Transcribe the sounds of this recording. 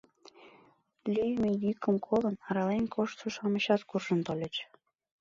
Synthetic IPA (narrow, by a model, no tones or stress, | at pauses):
lʲyjmejykəmkʰolənɑɾɑlenʲkʰoʃt̪suʃɑməɕɑt̪kurʒə̆nt̪olʲet͡ɕ